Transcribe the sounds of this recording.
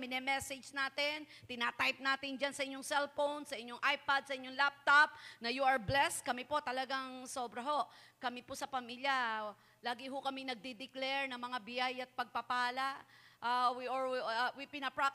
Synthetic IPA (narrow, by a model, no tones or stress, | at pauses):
mɪnɛmɛsɛd͡ʒnaːt̪ɪn | t̪ɪnat̪ajp̚naːt̪ɪnd͡ʒansɐʔɪɲːoŋsɛlfownsɐʔɪɲːoŋʔajpad̪̚sɐʔɪɲːoŋlap̚t̪ap̚nɐjuʔɐɹblɛst̪̚kɐmɪpo̞t̪ɐlɐɡaŋso̞ːbɾɐɦo̞ʔkɐmɪposɐpɐmiːljɐ | laːɡɪɦʊkɐmɪŋnɐɡ̚d̪ɪd̪ɪklɛɹnɐŋmɐŋabɪjajɐt̪̚pɐɡ̚pɐpaːlaʔawiʔowipɪnɐpɹak̚